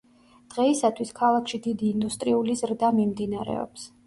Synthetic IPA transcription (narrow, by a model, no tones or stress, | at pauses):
d̪̥ʁɛisat̪ʰwiskʰalˠakʰʃid̪id̪iːnd̪ust̪ʼɾiulizɾd̪amimd̪inaɾɛ̰ɔ̰ps